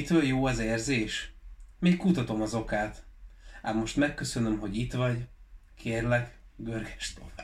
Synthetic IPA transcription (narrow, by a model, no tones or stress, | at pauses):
t̪øljoːɛzeːrzeːʃmeːkkut̪ɒt̪o̞mɒzo̞kaːt̪a̰ːmmo̞ʃt̪mɛkːø̞sø̞nømɦo̞ɟit̪ʋɒɟkʰeːrlɛɡɡørɡɛʃt̪o